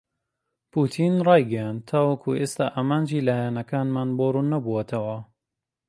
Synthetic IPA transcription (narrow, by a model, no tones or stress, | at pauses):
pʰuːt̪ʰiːnrˤɑːjɡɐjaːnt̪ʰːaːwɐkʰṵʔeːst̪aːʔaːmaːnd͡ʒiːlaːjanɐkaːnmaːnboːɾunːɐbuwɐt̪ʰɐwɐ